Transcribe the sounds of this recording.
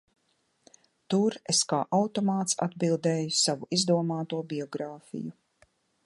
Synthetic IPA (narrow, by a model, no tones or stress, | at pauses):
t̪uɾeskaːʔawt̪ɔmaːt̪sa̰d̪bilˠd̪ɛːjusavuʔizd̪uɔmaːt̪uɔbiɔɡɾaːfḭju